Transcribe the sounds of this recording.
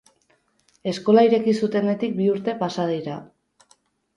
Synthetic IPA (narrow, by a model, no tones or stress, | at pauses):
e̞sko̞laiɾe̞kisut̪e̞ne̞t̪ik̚biuɾt̪e̞pasað̞ejɾa